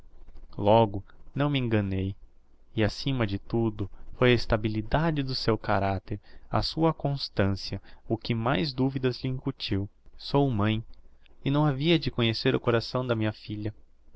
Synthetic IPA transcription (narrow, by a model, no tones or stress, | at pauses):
lɔɡʊnɐ̃w̃mẽŋɡɐ̃nej | ɪasĩmɐd͡ʒɪt̪ud̪ʊfojɐest̪abilid̪ad͡ʒɪd̪ʊsewkaɾat̪eɾɐ̰suɐkõst̪ɐ̃siɐʊkɪmajzd̪uvid̪ɐzliĩŋkut͡ʃiwsowmɐ̃j̃ɪnɐ̃w̃aviɐd͡ʒɪkõɲeseɾʊkoɾasɐ̃w̃d̪ɐmĩɲɐfiʎɐ